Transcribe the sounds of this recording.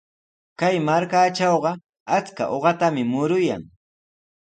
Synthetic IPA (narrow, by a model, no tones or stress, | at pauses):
kajmaɾkaːt͡ʃɑwɢɑ | at͡ska̰ʔoɢɑt̪amɪmʊɾʊja̰ŋ